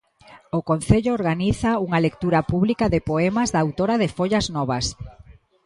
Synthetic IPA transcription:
ʊkon̟θeʎʊːɾɣaniθauŋalek̚t̪uɾapuβlikaðɪpoɛmazðaːwt̪oɾaðɪfoʎaznɔβ̞as

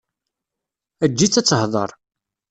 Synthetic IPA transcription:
æd͡ʒːit͡sːæt͡sːəhðˤə̰ɾˤ

